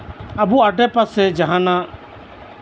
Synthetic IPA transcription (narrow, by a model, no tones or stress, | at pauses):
əbuːaːɖɛːpaseːd͡ʒəɦãːnãː